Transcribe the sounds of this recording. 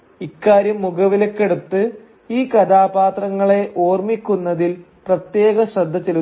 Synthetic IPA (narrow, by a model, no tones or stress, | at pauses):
ikːaːɾjɐmːuɡɐʋilekːe̞ɽut̪ːɨ | iːkɐd̪aːbaːt̪rɐŋːɐɭe̞ʔoːrmikʲːunːɐðil | prɐt̪je̞ːɣɐɕrɐd̪ʱːɐt͡ɕːelu